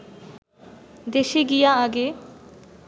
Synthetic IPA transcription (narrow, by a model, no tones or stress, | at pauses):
d̪eʃeɡijaaɡe